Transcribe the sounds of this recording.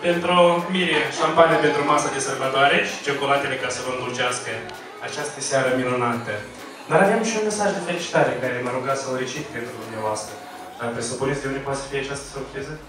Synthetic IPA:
pe̞nt̪ɾuomiɾeʃampanijape̞nt̪ɾumasad̪e̞salvat̪oaɾeʃi̥t͡ʃo̞ko̞lat̪ele̞kasəvəŋɡurt͡ʃaskə | a̰t͡ʃast̪əsʲaɾəminunat̪ə | d̪aɾavamʃiunme̞saʒd̪e̞fe̞lit͡ʃi̥t̪aɾekaɾe̞məɾuɡat̪sawɾit͡ʃit̪pe̞nt̪ɾud̪umneavoast̪ɾə | d̪̥apɾesupunet̪sd̪eund̪evpoasə̥fijeat͡ʃast̪ə̥surpɾizə

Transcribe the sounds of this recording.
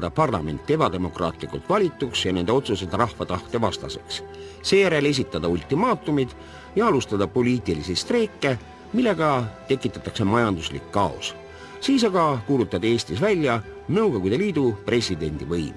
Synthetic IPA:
d̪̥ɑpɑrlɑme̞̰nt̪ˑːe̞bɑd̪e̞mo̞krɑ̰ːt̪ˑlikult̪vɑlʲit̪ːˑuksjɑne̞nd̪e̞o̞t̪suse̞d̪rɑhfɑt̪ɑht̪e̞vɑst̪ɑ̰se̞ks | se̞ːjæɾe̞le̞s̬ʲit̪ːˑɑd̪̥ɑulʲt̪imɑːt̪ːˑumid̪̥ | jɑɑlust̪ɑd̪ɑpo̞lʲiːt̪ilisist̪re̞ːkːe̞ | milːe̞ɡ̥ɑt̪e̞kːˑit̪ːˑɑt̪ːˑɑkse̞mɑjɑnd̪̥uslḭkːɑo̰s | siːsɑɡ̥ɑkuːlut̪ːˑɑd̪ee̞ːsʲt̪isvælʲjɑ | nɤwɡ̥o̞ɡud̪̥e̞liːd̪̥upre̞sʲid̪e̞nʲd̪̥ivɤjm

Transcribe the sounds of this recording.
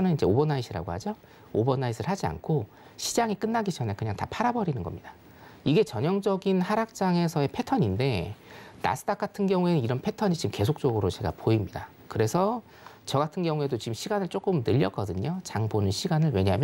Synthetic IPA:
nɯnind͡ʑe̞obʌnːaisʰiɾa̰ɡohad͡ʑo | obʌnːaisʰɯɭhad͡ʑia̰nkʰo | ɕʰid͡ʑaŋik͈ɯnːaɡid͡ʑʌnakɯɲaŋtapʰaɾabʌɾinɯnɡʌ̰mɲid̥a | iɡe̞t͡ɕʌɲʌŋd͡ʑʌɡinhaɾak̚t͡ɕ͈aŋe̞sʰʌe̞pʰe̞tʰʌɲinde̞na̰sʰɯ̥tʰak͈atʰɯnɡjʌŋue̞nɯniɾʌnpʰe̞tʰʌɲit͡ɕimke̞sʰok̚t͡ɕ͈ʌɡɯɾot͡ɕe̞ɡa̰poimɲida | kɯɾe̞sʰʌ | t͡ɕʌɡatʰɯnɡjʌŋue̞dot͡ɕimɕʰiɡanɯɭt͡ɕ͈ok͈ɯmnɯʎːʌk͈ʌdɯɲot͡ɕaŋponɯnɕʰiɡanɯɭwe̞ɲaɦːmj

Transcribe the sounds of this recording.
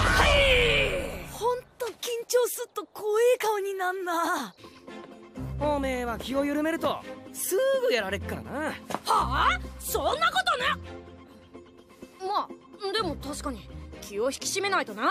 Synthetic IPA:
ha | hõ̞nt̪o̞kʲĩɲ̟t͡ɕo̞ːsɨt̪ːo̞kʰoiːkaɯɲ̟inãnːa | oːme̞ːβakʲio̞jɯɾɯ̟me̞ɾɯ̟t̪o̞sɨɡɯ̟jaɾaɾe̞kɯ̟kːaɾa̰nahasõnːako̞t̪o̞ne | mad̪e̞mo̞t̪aɕi̥kaɲ̟ikʲʰio̞çi̥kʲi̥ɕime̞nait̪o̞na

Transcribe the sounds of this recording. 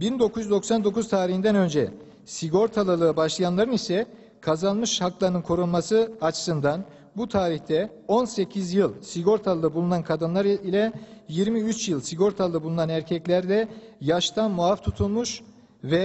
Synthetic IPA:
bind̪o̞kʰujyzd̪o̞ksand̪o̞kuz̥t̪ʰaːɾihind̪ænø̞nd͡ʒɛ | siɡo̞ɾt̪ʰalˠɯlˠɯːbaʃlˠɯjanlˠaɾɯnisɛ | kʰazanˠmɯʃhaklˠaɾnɯnkʰo̞ɾunˠmasɯat͡ʃʰɯ̥sɯnd̪an | but̪ʰaːɾiçt̪ʰɛ | o̞nse̞cʰizjɯlˠsiɡo̞ɾt̪ʰalˠalˠɯbulˠunankʰad̪ɯnlˠaɾilʲɛjiɾmiyt͡ʃjɯlˠsiɡo̞ɾt̪ʰalˠɯbulˠunanæɾcʰɛclʲæɾd̪ɛjaʃt̪ʰanmuaft̪ʰut̪ʰulˠmuʃ | vɛ

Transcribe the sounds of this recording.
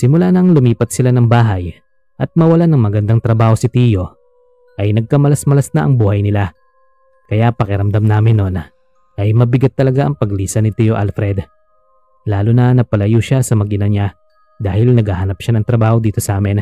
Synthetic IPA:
sɪmʊlanɐŋlʊmiːpɐt̪̚sɪlanɐŋbaːɦɐj | ʔɐt̪̚mɐwɐlanɐŋmɐɡɐnd̪aŋt̪ɾɐbaːho̞sɪt̪iːjo̞ | ʔɐjnɐɡ̚kɐmɐlɐsmɐlɐsnɐʔɐŋbuːhɐjnɪla | kɐjapɐkɪɾɐmd̪amnaːmɪnːo̞n | ʔɐjmɐbɪɡat̪ːɐlɐɡaʔɐŋpɐɡliːsɐnɪt̪iːjoʔa̰lfɾɛd̪ | laːlʊnɐnɐpɐlɐjuʃasɐmɐɡɪnɐɲa | d̪aːhɪlnɐɡhahɐnɐpʃanɐŋt̪ɾɐbaːho̞d̪iːt̪o̞sɐʔaːmɪn

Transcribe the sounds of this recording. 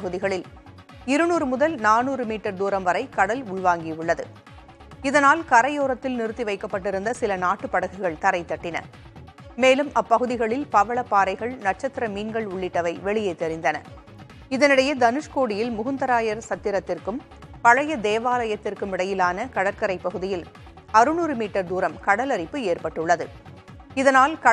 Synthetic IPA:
pɐɣɯðɪɣɐɭɪl | ɪɾɯnuːɾɯmʊðɐlnaːnuːɾɯmiːʈːɐɾd̪uːɾɐmʋɐɾɐɪkɐɽɐlʊɭʋaːŋɡiʊɭːɐðɯ̰ | ɪðɐnaːlkɐɾɐjoːɾɐt̪ːɪlnɪɾɯt̪ːiʋɐɪkːɐpːɐʈːɪɾɯnd̪ɐsɪlɐnaːʈːɯpːɐɽɐɣɪɣɐɭt̪ɐɾɐɪt̪ːɐʈːɪnɐ̰ | meːlɯmɐpːɐɣɯðɪɣɐɭɪlpɐʋɐɭɐpːaːɾɐɪɣɐɭnɐʈ̚t͡ʃɐt̪ːɪɾɐmiːnɡɐɭʊɭːɪʈːɐʋɐɪʋɛɭɪjeɪt̪ːɛɾɪnd̪ɐnɐ̰ | ɪðɐnɪɽɐjɐd̪ɐnɯʂkoːɽɪjɪlmʊɣʊnd̪ɐɾaːjɐɾsɐt̪ːɪɾɐt̪ːɪrkɯm | pɐɻɐjɐd̪eːʋaːlɐjɐt̪ːɪrkɯmɪɽɐjɪlaːnɐkɐɽɐɾkɐɾɐɪpːɐɣɯðɪjɪl | ɐɾɯnuːɾɯmiːʈːɐɾd̪uːɾɐmkɐɽɐlɐɾɪpːɯeːrpɐʈːɯɭːɐðɯ | ɪðɐnaːlkɐ

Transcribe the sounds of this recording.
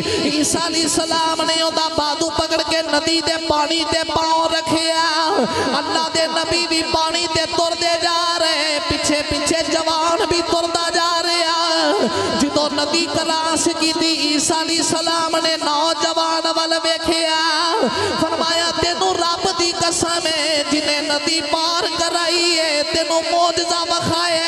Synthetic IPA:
iːsaːliːsəlaːmneːõd̪aːb̪aːd̪uːpəkəɽkeːnəd̪iːd̪eːpaːɽ̃it̪eːpaːõːɾəkʰeːaːənːãːd̪eːnəbiːʋʱiːpaːɽ̃it̪eːt̪ʊɾd̪eːd͡ʒaːɾepɪt͡ʃʰeːpɪt͡ʃʰeːd͡ʒəʋaːnbʱiːt̪ʊɾd̪aːd͡ʒaːɾeaː | d͡ʒɪt̪onɐd̪ikɐlaːskĩːt̪iiːsaːliːsɐlaːmnenaːd͡ʒɐʋaːnʋalʋeːkʰeaː | fɐɾmaːjat̪eːnũɾaːpd̪ikɐsəmẽd͡ʒɪnẽnɐd̪ipaːɾkɐɾaːiɦeːt̪eːnũmoːd͡ʒɪzaʋɐkʰaːe

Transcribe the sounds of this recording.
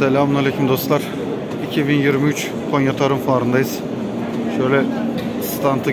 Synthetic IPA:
ɛlʲaːmunalʲekʰumd̪o̞st̪lˠaɾ̥ | icʰibinjiɾmiyt͡ʃ | kʰonjat̪ʰaɾɯmfaːɾɯnd̪ajɯz̥ | ʃøjlʲɛ | st̪ʰant̪ʰɯ

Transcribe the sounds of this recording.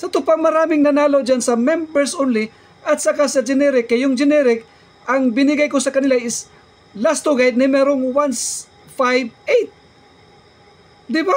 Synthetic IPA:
sɐt̪ʊpaŋmɐɾaːmɪŋnɐnaːlowd͡ʒansɐmɛmbɛɹsonlɪ | ʔɐt̪sɐkasɐd͡ʒɪnɛɾɪkːɐjʊŋd͡ʒɪnɛɾɪk̚ | ʔɐŋbɪnɪɡajkʊsɐkɐnɪlaʔɪs | last̪oɡajd̪̚nɛmɛɾoŋwans | fajvejt̪̚ | d̪ɪba

